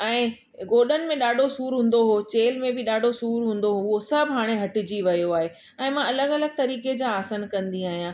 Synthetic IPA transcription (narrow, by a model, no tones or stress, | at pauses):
ɛ̃ː | ɡoːɗənɪ̆mẽɗaːɖʱosuːɾɦũːn̆d̪oɦot͡ɕeːlmẽbɪɗaːɖʱosuːɾɦũːn̆d̪oɦoʊɦosɐbʱɦaːɽ̃eɦɐʈɪ̆d͡ʑiʋɐijoaːɦe | ɛ̃ːmãɐləɡɐləɡ̚t̪ɐɾiːked͡ʑaːsənkɐ̃nd̪iaːɦijãː